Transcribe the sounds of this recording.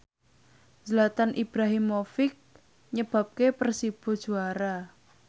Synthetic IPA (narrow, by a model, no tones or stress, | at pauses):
zəlat̪anʔib̥ɾaɦɪmːofɪk̚ | ɲəb̥a̤p̚kepərsib̥o̤d̥ʒ̥uaɾa